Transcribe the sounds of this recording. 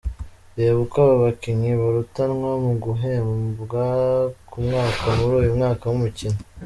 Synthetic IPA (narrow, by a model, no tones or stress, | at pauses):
βeːβukaβaβakiɲiβaɾutanŋwamuɡuɦemɡakumŋaːkʰamuɾuːjumŋaːkawumucina